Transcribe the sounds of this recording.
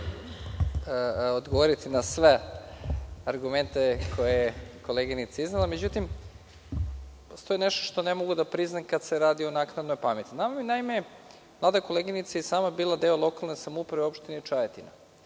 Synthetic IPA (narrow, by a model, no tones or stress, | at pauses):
od̪ɡoʋoɾit̪inasʋe | aɾɡume̞nt̪ekʰo̞jejeko̞leɡinit̪saiznelˠame̞d͡ʑut̪im | post̪ojeneʃt̪oʃt̪o̞ne̞mo̞ɡud̪apɾiznamkad̪se̞ɾaːd̪ionaknad̪nojpame̞t̪ːinamaminaime | mlˠaːd̪ako̞lˠeɡinit̪sajesaːmabiːlˠad̪e̞olˠo̞kalˠnesamoupɾaʋeo̞pʃt̪ineit͡ʃajet̪ina̰